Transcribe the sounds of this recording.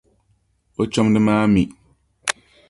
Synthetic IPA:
o˦t͡ʃɔ˦mdɨ˦maː˦mi˨

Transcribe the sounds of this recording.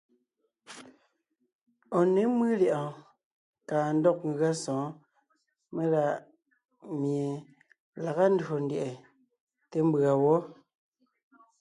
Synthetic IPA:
ɔ˨ne˨˦mɨ˦ljɛ˨ʔɔ̃˨ | kaː˨n̩˦dɔ˦k̚ŋ˨ɣa˦sɔ̃ː˨˦ | me˦la˦˨ | mje˨ | la˨ɣa˦n̩˦do˨n˦dje˨ʔɛ˨ | te˦m˦ba˨wɔ˦

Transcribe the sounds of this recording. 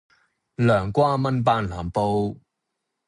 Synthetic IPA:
lœː˨˩ŋkʷaː˥mɐ˥np̬aː˧˥nlaː˨˩mpo˧w

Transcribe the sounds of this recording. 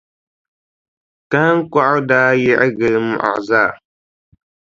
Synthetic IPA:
ka˦ŋ̩˦kʷa˦ʔdaː˦jɛ˦ʔɛ˦ɡɨ˦lm˦ʔa̰˨zaː˦˨

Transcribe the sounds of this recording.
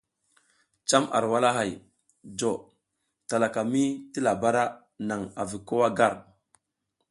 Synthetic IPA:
t͡ʃa˦ma̰˨ɾwa˦la˦ɦa˨j | d͡ʒo˨ | ta˨la˨ka˨mi˦ti˦la˨ba˦ɾa˦ | na˨ŋa˨vi˨ko˦wa˦ɡa˦˨ɾ

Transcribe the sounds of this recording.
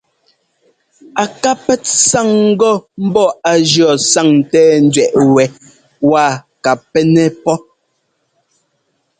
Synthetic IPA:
a˨ka˦pɛ˦tsa˦˨ŋ̩˦ɡɔ˦m̩˦bɔ˦a˨d͡ʒjɔ˨sa˦˨ŋn̩˨tɛː˦n̩˦dɥɛ˨ʔwɛ˨ | wa˦˨ka˨pːɛ˦nɛ˦pɔ˦

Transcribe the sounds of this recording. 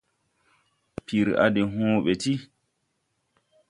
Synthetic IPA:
pi˨ɾa̰˨de˨ɦõː˦ɓɛ˨ti˦

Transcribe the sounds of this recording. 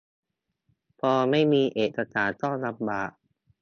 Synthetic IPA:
pʰɔː˧ma˥˩jmiː˧ʔeː˨˩t̪a˧t̪aː˨˩t̪ɔ˥˩ŋla˧˥p̚baː˨˩ʔ̚

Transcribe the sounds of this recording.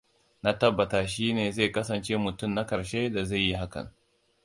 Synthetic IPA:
na˦tɐ˦bːɐ˨taː˨ʃiː˦neː˨ze˦˨kɐ˦s̬ɐ˨nt͡ʃe˦mʊ˨tʊ˦˨mna˦kɐ˨ɾʃe˦da˨za˦˨jːi˦ɦa˦kɐ̰˨n

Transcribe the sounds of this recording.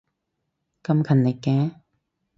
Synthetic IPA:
kɐ˧mkʰɐ˨nːe˨kːɛ̃ː˧˦

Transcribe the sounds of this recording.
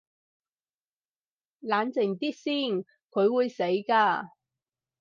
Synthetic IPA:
laː˨˥nt͡sɪ˨˩ŋt̪iː˥t̚siː˥˩n | kʰɵ˨˧ɥwuː˨˧jse˨˥jkaː˧

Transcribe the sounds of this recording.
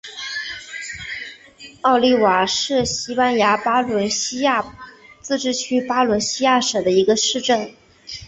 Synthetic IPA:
ɑ˥˧ʊli˥˩wa˨˩ʂɻ̩˥˩ɕi˥pa˥nja˧˥pa˥lwə˧˥nɕi˥ja˥˩t͡sɹ̩˥˧ʈ͡ʂɻ̩˥˩t͡ɕʰy˥pa˥lwə˧˥nɕi˥ja˥˩ʂ̩˨˩d̪ə˦i˧˥ɡə˧ʂɻ̩˥˧ʈ͡ʂə˥˩n

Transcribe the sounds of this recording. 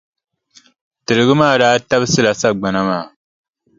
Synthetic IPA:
tɨ˨lɨ˨ɡɨ˦maː˦˨daː˦ta˦bɨ˦sɨ˦la˨sa˦ɡ͡ba˨na˦maː˨

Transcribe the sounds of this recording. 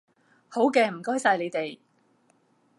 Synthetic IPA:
ho˨˥wkɛː˧m̩˨˩kɔː˥jsaː˧jle˨˧t̪e˨j

